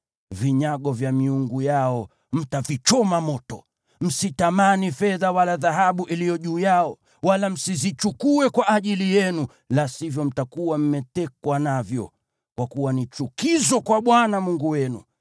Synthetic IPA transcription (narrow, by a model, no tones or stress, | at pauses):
viɲaɠɔvjamiuŋɡujaɔ | m̩tavit͡ʃɔmamɔtɔ | m̩sitamanifɛðawalaðaɦaɓuʔilijɔʄuːjaɔ | walam̩sizit͡ʃukuɛkwaʔaʄilijɛnu | lasivjɔm̩takuwam̩mɛtɛkwanavjɔ̰ | kwakuwanit͡ʃukizɔkwaɓwanamuŋɡuwɛnṵ